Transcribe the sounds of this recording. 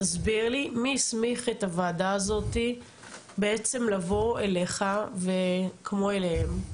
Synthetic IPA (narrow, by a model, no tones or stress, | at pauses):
azbiʁlimismiχe̞t̪avaːdaːzo̞t̪i | beet͡se̞mlavo̞eleχavekmo̞elehem